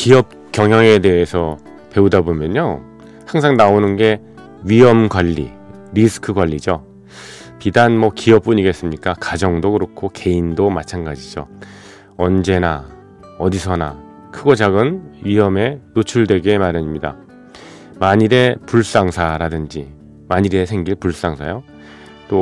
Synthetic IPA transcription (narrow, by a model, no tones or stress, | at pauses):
kiʌp̚kjʌŋɦjʌŋe̞de̞ɦesʰʌ | pe̞udabomjʌɲo | haŋs̬ʰaŋnaonɯnɡe̞ | ɥiʌmɡwaʎːḭ | ɾisʰɯ̥kʰɯɡwaʎːid͡ʑo | pidanmʌkiʌp̚p͈uɲiɡe̞s͈ɯmɲik͈akad͡ʑʌŋdokɯɾokʰoke̞indomat͡ɕʰanɡad͡ʑid͡ʑo | ʌnd͡ʑe̞na | ʌdisʰʌna̰ | kʰɯɡʌd͡ʑaɡɯnɥiɦʌme̞not͡ɕʰuɭdwe̞ɡe̞maɾjaɲimɲida̰ | maɲiɾe̞puɭs͈aŋsʰaɾadɯnd͡ʑi | maɲiɾe̞sʰe̞ŋɡiɭpuɭs͈aŋsʰajo | t͈o